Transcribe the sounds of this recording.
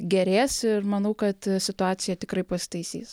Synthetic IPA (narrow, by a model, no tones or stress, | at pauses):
ɡʲɛɾʲeːsɪrmɐnɐʊkɐt̪sʲɪt̪ʊɑːsʲɪjɛt̪ʲɪkɾɐɪpɐsʲɪ̥t̪ɐɪsʲḭːs